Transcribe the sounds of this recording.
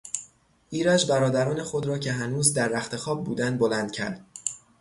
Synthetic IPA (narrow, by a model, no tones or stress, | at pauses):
ʔiːɾæd͡ʒbæɾɒːd̪æɾɒːne̞xo̞d̪ɾɒːcʰe̞ɦænuːzd̪æɾːæxt̪ʰe̞xɒːb̚buːd̪ænd̪̚bolænd̪̥̚cʲʰæ̰ɾd̪̥̚